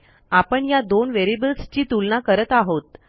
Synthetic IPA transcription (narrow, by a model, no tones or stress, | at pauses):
apəɳjad̪onʋeɾibəlst͡ɕiːt̪ulnakəɾət̪aɦot̪